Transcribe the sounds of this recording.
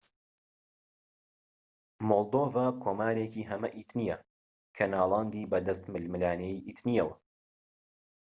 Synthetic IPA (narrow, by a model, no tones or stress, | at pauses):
molˠd̪oːvaːkʰoːmaːɾeːciːɦɐmɐʔit̪nijɐ | kʰɐnaːlˠɑːnd̪iːbɐd̪ɐst̪mɨlmɨlaːnejʔit̪nijɐwɐ